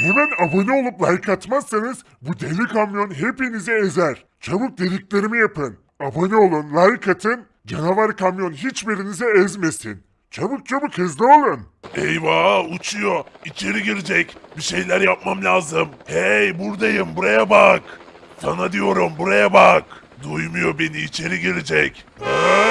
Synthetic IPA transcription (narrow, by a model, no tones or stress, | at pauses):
hemænabonio̞lˠuplˠajɯkʰat̪masːɯnɯz | bud̪elʲikʰamjo̞nɦe̞pinizɛezæɾ̥ | t͡ʃʰabuk̚d̪elʲicʲlʲe̞ɾimijapɯn | abanio̞lˠunlˠajɯkʰat̪ʰɯn | d͡ʒanavaɾkʰamjo̞nɦit͡ʃbiɾinizɛɛzme̞sḭn | t͡ʃʰabuk̚t͡ʃʰabukhɛzlʲɛo̞lˠunejvaut͡ʃʰujoit͡ʃʰe̞ɾiɟiɾid͡ʒɛcbiʃe̞jlʲæɾjap̚mamlʲaːzɯmhejbuɾd̪ajɯmbuɾajabak | sanad̪ijo̞ɾumbuɾajabak | d̪ujmujo̞be̞niːt͡ʃʰe̞ɾiɟiɾid͡ʒɛc